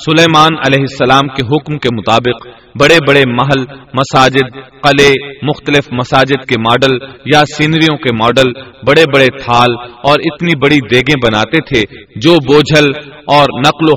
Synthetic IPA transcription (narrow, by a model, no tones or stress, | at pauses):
sʊlɛːmaːnɐlɛːɦɪsːɐlaːmkeɦʊkmkemʊt̪aːbɪq | bɐɽebɐɽemɐɦəlmɐsaːd͡ʒɪd̪̚qɐlemʊxt̪əlɪfmɐsaːd͡ʒɪd̪kemɔːɖəljasiːnɾijõkemɔːɖəlbɐɽebɐɽet̪ʰaːlɔːɾɪt̪nibɐɽid̪eːɡẽbɐnaːt̪et̪ʰed͡ʒoːboːd͡ʒʱəlɔːɾnɐqlo